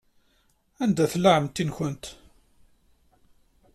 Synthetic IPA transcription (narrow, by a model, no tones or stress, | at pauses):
ænd̪æθlaʕəmt̪ːinçənt̪